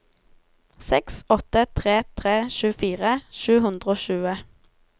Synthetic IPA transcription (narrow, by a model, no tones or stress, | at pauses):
sɛksɔt̪ət̪ʰʁeːt̪ʰʁeːʃʉːfiːʁəʃʉːhʉnd̪ʁəoːʃʉːə